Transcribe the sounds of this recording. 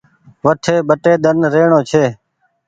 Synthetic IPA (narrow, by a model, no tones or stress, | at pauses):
ʋəʈʰeːɓəʈeːd̪ənɾeːɳõːt͡ʃʰeː